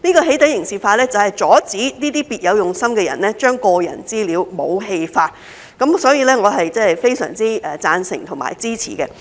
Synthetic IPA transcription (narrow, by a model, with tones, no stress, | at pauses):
niː˥kɔː˧ɦe˨˥jt̪ɐ˨˥jɪ˨˩ŋsiː˨˩faː˧lɛː˥t͡sɐ˨whɐ˨jt͡sɔː˨˥t͡siː˨˥niː˥t̪iː˥piː˨t̚jɐ˨˧wjʊ˨˩ŋsɐ˥mkɛː˧jɐ̰˨˩nlɛː˥t͡ʃœː˥ŋkɔː˧jɐ̰˨˩nt͡siː˥liː˨˧wmo˨˧wɦe˧jfaː˧t̚ | kɐ˨˥msɔː˨˥jiː˨˧lɛː˥ŋɔː˨˧ɦɐ˨jt͡sɛː˥˨˩jfe˥jsœ̰ː˨˩ŋt͡siː˥ɛː˨˧t͡saː˧nsɪ̰˨˩ŋt̪ʰʊ˨˩ŋma̰ː˨˩jt͡siː˥t͡sʰḭː˨˩kɛ˧